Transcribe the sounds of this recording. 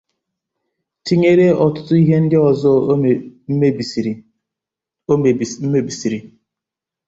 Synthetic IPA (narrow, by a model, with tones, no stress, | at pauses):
ti˦ɲe˦ɾe˦ɔ˨tʊ̥˦tʊ˦i˦ɦe˦n̩˦dɪ˦ɔ˨zɔ˦m˦˨˦ | m̩˦e˦bi˨si˨ɾi˨